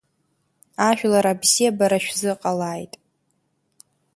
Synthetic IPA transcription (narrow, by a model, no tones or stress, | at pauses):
aʃᶣlaɾabziabaɾaʃᶣzɨqʼalaːjtʼ